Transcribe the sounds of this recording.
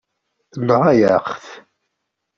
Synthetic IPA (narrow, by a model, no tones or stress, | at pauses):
lːəʁæjəχθ